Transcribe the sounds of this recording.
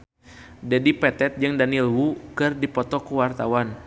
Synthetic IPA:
dɛdipɛt̪ɛt̪̚d͡ʒɨŋdanilwukɨrdipɔt̪ɔkuwart̪awan

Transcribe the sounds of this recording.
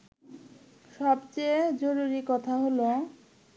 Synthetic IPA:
ʃɔbt͡ɕed͡ʑoɾuɾikɔt̪ʰaɦolo

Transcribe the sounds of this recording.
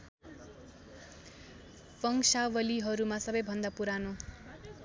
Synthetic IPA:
pʌŋsawʌliɦʌɾumasʌbʌjbʱʌnd̪apuɾano

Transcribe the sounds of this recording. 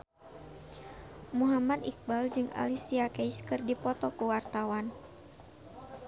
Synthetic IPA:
muɦamad̪ik̚bald͡ʒɨŋʔa̰lisiakɛjskɨrdipɔt̪ɔkuwart̪awan

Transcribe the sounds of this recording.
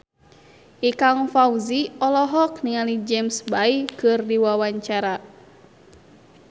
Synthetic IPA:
ʔikaŋfauziɔlɔɦɔkniŋalid͡ʒɛmsbaikɨrdiwawaɲt͡ʃaɾa

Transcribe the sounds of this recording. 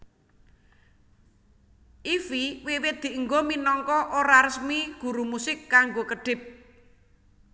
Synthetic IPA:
ʔifiwewɪd̪̥i̤əŋɡominɔŋkɔʔoɾaɾəsmiɡ̥ṳɾumusɪkːaŋɡokəɖ̥ɪ̤p̚

